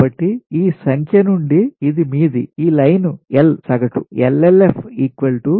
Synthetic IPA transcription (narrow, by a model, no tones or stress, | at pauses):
bɐʈːiiːsɐŋkʰjɐnuɳɖiːd̪imiːd̪iiːlɐjnuelsɐɡɐʈṵelelepʰiːkʋɐlʈu